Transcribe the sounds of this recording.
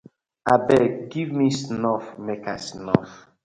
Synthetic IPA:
abɛɡivmisnɔfmekasnɔf

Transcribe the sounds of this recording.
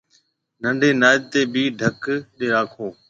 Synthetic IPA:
nəɳɖʱeːnaːd̪̚t̪eːbʱiːɖʱəkɗeːɾaːkʰoː

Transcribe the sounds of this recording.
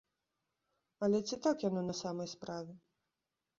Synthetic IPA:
ɐlʲɛt͡sʲit̪akjanɔnɐsamɐjspɾavʲɛ

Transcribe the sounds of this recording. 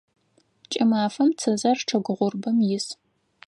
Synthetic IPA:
t͡ʃʼɐmaːfɐmt͡sʰɐzɐrʈ͡ʂʰɐɡʷʊʁʷʊrbɐmjɪs

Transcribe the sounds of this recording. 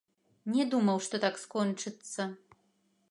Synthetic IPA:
nʲɛd̪umɐwʂt̪ɔt̪akskɔnt͡ʂɨt̪sːɐ

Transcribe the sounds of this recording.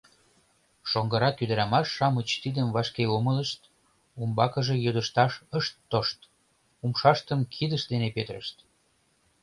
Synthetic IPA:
ʃoŋɡəɾɑkyd̪əɾɑmɑʃːɑmət͡ɕt̪id̪əmvɑʃkeomələʃt̪ | umbɑkəʒe̽jød̪əʃt̪ɑʃəʃt̪ːoʃt̪ | umʃɑʃt̪əmkʰid̪əʃd̪enepet̪ə̆ɾə̰ʃt̪

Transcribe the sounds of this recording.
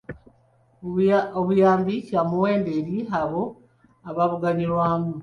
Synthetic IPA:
oβujaːmbicamuwe̞ːndeɾiɦaβo̞ | aβaβuɡaɲiɾwaːmu

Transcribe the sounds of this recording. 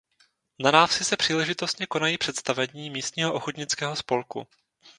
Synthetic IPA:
nanaːfsɪsɛpr̥iːlɛʒɪt̪o̞st̪ɲɛko̞najiːpr̥ɛt̪st̪avɛɲiːmiːst̪ɲiːɦoʔoxot̪ɲɪt͡skɛːɦo̞spo̞lkṵ

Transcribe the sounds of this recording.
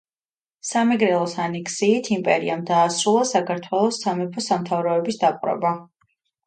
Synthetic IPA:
samɛɡɾɛlˠɔsanɛkʰsiːt̪ʰimpʼɛ̰ɾiamd̪aːsɾulˠasakʰaɾt̪ʰwɛlˠɔsːamɛpʰɔsamt̪ʰavɾɔɛbisd̪apʼɾɛ̰ba

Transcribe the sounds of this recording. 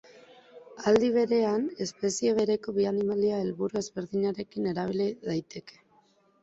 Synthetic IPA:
ald̪iβ̞e̞ɾe̞ane̞spe̞sie̞β̞e̞ɾe̞ko̞βianimaliaelβuɾue̞zβe̞ɾðiɲaɾe̞kine̞ɾaβ̞iliðajt̪e̞ke̞̥

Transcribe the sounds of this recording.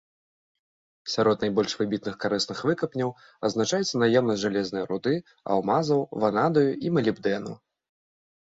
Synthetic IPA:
sʲaɾɔt̪najbɔlʲʂvɨbʲit̪nɨxkaɾɨsnɨxvɨkɐpnʲɐw | ɐznat͡ʂajɛt̪sːɐnajɛwnɐsʲʐalʲɛznɨjɐɾud̪ɨ | ɐ̰wmazɐwvanad̪ɐjuʔimɐlʲibd̪ɛnṵ

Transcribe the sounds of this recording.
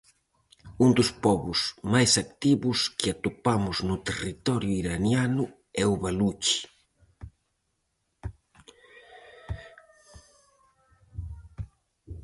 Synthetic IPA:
und̪ʊspɔβʊsmajsakt̪iβʊskɪat̪upamʊznʊt̪erit̪ɔɾjʊiɾanjanʊ | ɛʊβalut͡ʃi̥

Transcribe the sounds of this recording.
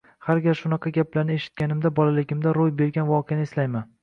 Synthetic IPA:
haɾɡʲaɾʃʊnɑqʰɑɡʲaplaɾnɪeʃɪ̥t̪̚ɡʲanɪmd̪abɒlalɪɡʲɪmd̪aɾojbe̞ɾɡʲanvɒqʰejanɪslajman

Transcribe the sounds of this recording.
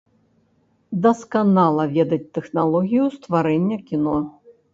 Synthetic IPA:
d̪ɐskanalˠɐvʲɛd̪ɐt͡sʲt̪ɛxnalˠɔɣʲijust̪vaɾɛnʲːɐkʲinɔ

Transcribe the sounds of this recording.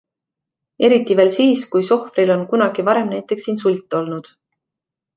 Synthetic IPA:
e̞ɾit̪ːˑive̞ːlsiːskujso̞hfrilo̞nkunɑɡ̥ivɑɾe̞mnæjt̪ːˑe̞ksːiːnsulʲt̪ˑːo̞lnud̪̥

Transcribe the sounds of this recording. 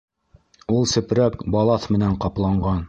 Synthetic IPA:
ulˠsɘ̆pɾækbɑlˠɑθmɘ̆næɴqɑplˠɑɴɢɑn

